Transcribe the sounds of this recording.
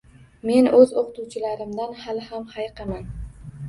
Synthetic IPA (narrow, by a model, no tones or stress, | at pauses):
me̞nɵzoqʊt̪ʊwt͡ʃʰɪlaɾɪmd̪anhalɪhamhajqɑman